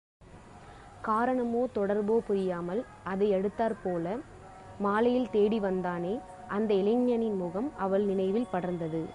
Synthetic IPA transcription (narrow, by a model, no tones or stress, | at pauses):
kaːɾɐɳɐmoːt̪ɔɽɐɾboːpʊɾɪjaːmɐl | ɐðɐɪɛɽɯt̪ːaːɾpoːlɐ | maːlɐjɪlt̪eːɽiʋɐnd̪aːneː | ʔɐnd̪ɐɪlɪŋɲɐnɪnmʊɣɐmɐʋɐɭnɪnɐɪʋɪlpɐɽɐɾnd̪ɐðɯ